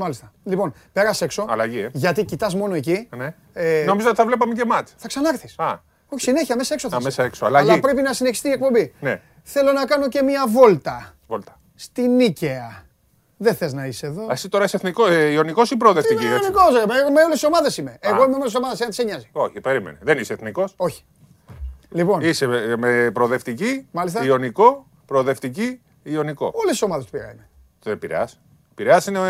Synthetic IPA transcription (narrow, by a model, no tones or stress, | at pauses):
mɐlist̪ɐlipo̞npe̞ɾɐse̞kso̞ɐ̰lɐ̰ʝieʝɐt̪icit̪ɐzmo̞no̞e̞cine | enomizoot̪iθɐvle̞p̬ɐmecemɐt̪θɐksɐnɐɐɾθisɐ | oçi̥sineçiɐmesɐe̞ksoθɐmesɐeksoɐlɐɐlipɾe̞pinɐsineçi̥st̪iːe̞kpo̞mbine | θe̞lo̞nɐkɐno̞ce̞miɐvo̞lt̪ɐ | volt̪ɐ̥ | st̪iniceɐ | ðeθeznɐiseeðo̞ɐsit̪o̞ɾɐiseθnikoio̞niko̞sipɾoːðeft̪iieikosomemeoleso̞mɐðe̞simeeɣo̞imeolso̞mɐðesenɐnt̪iseɲɐzi̥oçipeɾimeneðeniseeθniko̞so̞çi̥ | lipo̞nisemepɾoðe̞ft̪icimɐlis̬t̪ɐio̞niko̞ | pɾoːðe̞ft̪ici | ioniko̞̰olesso̞mɐðest̪upiɾɐ̰ime | epiɾḛɐs | piɾeɐsine